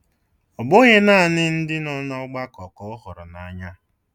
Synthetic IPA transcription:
ɔ˨bʊ˦ɲe˦naː˦˨nɪ˦n̩˦dɪ˦nɔ˦nɔ˦ɡ͡ba˦kɔ˨kɔ˨ʊ˦ɦʊ˨ɾʊ˨na˨˦ɲa˦

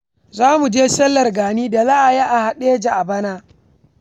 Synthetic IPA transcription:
zaː˦mu˨d͡ʒeː˦sɐ˦lːɐ˨rɡaː˨niː˦da˨la˦ʔa˨jaː˦ʔa˨ha˨ɗeː˦d͡ʒa˨ʔa˨bɐ˦naː˦

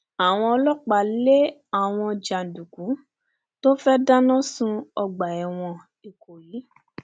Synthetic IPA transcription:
a˨w̃ɔ̃˧ɔ˧lɔ˦k͡pa˨le˦a˨w̃ɔ̃˧d͡ʒa˨n̩˨du˨kũ˨˦ | to˦fɛ˦da˦nã˦sũ˦ɔ˧ɡ͡ba˨ɛ˨w̃ɔ̃˧ | i˨ko˨jiː˨˦

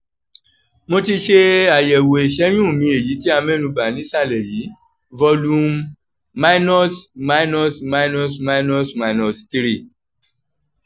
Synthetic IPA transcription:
mo˧ti˧ʃe˧a˨jɛ˨wo˨e˨ʃɛ˨˦j̃ũ˦˨mĩ˧˦e˦˨ji˨˦ti˦a˧mɛ̃˦nũ˧ba˨nĩ˨˦sa˦˨lɛ˨ji˨˦ | vɔ˧lu˦mː | a˦i˦nɔ˦sma˧i˦nɔ˦sma˧˦nɔ˦sma˧nɔ˦sma˧inɔ˨sti˧ɾi˦˨

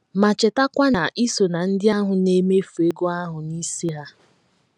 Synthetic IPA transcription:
ma˨t͡ʃe˨ta˦kʷa˦na˨ʔi˦so˨na˨n̩˦dɪ˦a˦ɦʊ˨ne˦me˦fu˨e˦ɡo˦a˦ɦʊ˨ni˦si˦ɦa˦

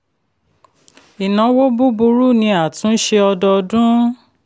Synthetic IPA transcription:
i˨nã˨˦wo˦bu˦bu˧ɾu˦˨nĩ˧˦a˦˨tũ˨˦ʃe˧ɔ˧dɔ˧dũ˦

